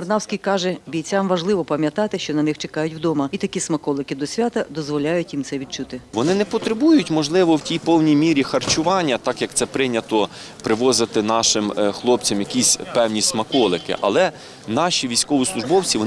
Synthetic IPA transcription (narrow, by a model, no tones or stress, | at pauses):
ɐrnɑwsʲkʲijkɑʒɛbʲijt͡sʲamʋɐʒlˠɪʋɔpɐmʲjɐt̪ɑt̪ɪʃt͡ʃɔnɐnɪxt͡ʃekɑjʊtʲwd̪ɔmɐit̪ɐkʲismɐkɔlˠɪkɪd̪ɔsʲʋʲat̪ɐd̪ɔzʋɔlʲajʊtʲjimt̪sɛʋʲid̪̚t͡ʃut̪ɪʋɔnɪnɛpɔt̪ɾebujʊtʲmɔʒlˠɪʋɔwtʲijpɔwnʲijmʲiɾʲixɐrt͡ʃʊʋɑnʲːɐt̪ɑkjɐk̚t̪sɛpɾɪnʲɐt̪ɔ | pɾɪʋɔzɪt̪ɪnɑʃɪmxlˠɔp̚t͡sʲɐmjɐkʲisʲpɛwnʲismɐkɔlˠɪkɪ̰ʔɐ̰lˠɛ | nɑʃʲiʋʲijsʲkɔʋislˠʊʒbɔwt͡sʲiʋɔ